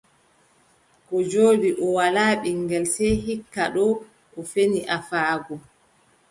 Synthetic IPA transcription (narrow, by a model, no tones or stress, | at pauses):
kɔd͡ʒoːɗiʔɔwalaːɓiŋɡɛlsɛjhikːaɗɔ | ɔfeniʔafaːɡɔ